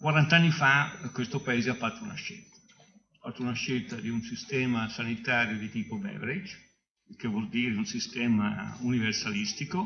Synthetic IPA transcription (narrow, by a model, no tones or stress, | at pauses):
kwaɾant̪anːifakwest̪opaeːzeafːat̪ːouna̰ʃːḛlt̪ḁ | afat̪ːounaʃːelt̪ad̪iunsist̪ɛːmasanit̪aːɾjod̪it̪iːpobɛ̰vɾid͡ʒ | kevwɔld̪iːɾed̪iunsist̪ɛːma̰universalist̪iko